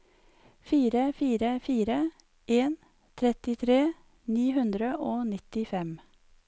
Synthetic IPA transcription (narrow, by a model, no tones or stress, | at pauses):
fiːɾəfiːɾəfiːɾə | ʔeːn | t̪ʰɾɛt̪ɪt̪ʰɾeː | niːhʉnd̪ɾəʔoːnɪt̪ɪfɛm